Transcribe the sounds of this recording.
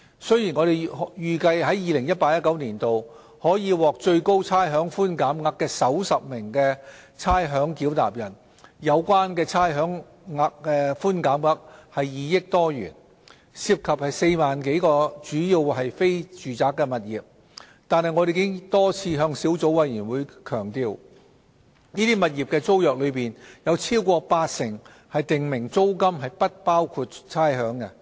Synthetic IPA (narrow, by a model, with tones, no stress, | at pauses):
sɵ˥ɥjiː˨˩nŋɔː˨˧ɾe˨jjyː˨kɐ˧jɦɐ˨˥jiː˨˧lɪ˨˩ŋjɐ˥t̚paː˧k̚jɐ˥t̚kɐ˨˥wniː˨˩nt̪o˨w | hɔː˨˥jiː˨˧wɔː˨k̚t͡ʃɵ˧ɥko˥wt͡sʰaː˥jɦœː˨˥ŋfuː˥nkaː˨˥mŋɐ˥kːɛː˧sɐ˨˥wsɐ˨p̚mɪ˨˩ŋkɛː˧t͡sʰaː˥jɦœː˨˥ŋkiː˨˥wt̪a̰ː˨p̚jɐ˨˩n | jɐ˨˧wkʷaː˥nkɛː˧t͡sʰaː˥jɦœː˨˥ŋ | ŋa˧˥k̚ːɛ˧fuː˥nkaː˨˥mŋɐ˥k̚hɐ˨jːiː˨˧jɪ˥k̚t̪ɔː˥jy̰ː˨˩n | si˧p̚kʰɐ˨p̚hɐ˨jse˧jmaː˨nke˨˥jkɔː˧t͡ʃyː˨˥ji˧wɦɐ˨jfe˥jt͡ʃyː˨t͡saː˨kːɛː˧mɐ˨t̚jiː˨˩p̚ | t̪aː˨nhɐ˨jŋɔː˨˧ɾe˨jkɪ˥ŋt̪ɔː˥t͡sʰiː˧ɦœː˧ŋsi˨˥wt͡so˨˥wɐ˨˧jjyː˨˩nwuː˨˧jkʰœː˨˩ŋt̪iː˧w | niː˥t̪iː˥mɐ˨t̚jiː˨˩p̚kɛː˧t͡so˥wjœː˨k̚lɵ˨˧ɥpiː˨njɐ˨˧wt͡sʰiː˥wkʷɔː˧paː˧t̚sɪ˨˩ŋ | hɐ˨jt̪ɪ˨ŋmɪ˨˩ŋt͡so˥wkɐ˥mɦɐ˨jpɐ˥t̚paː˥wkʰuː˧t̚t͡sʰaː˥jɦœː˨˥ŋkɛ˧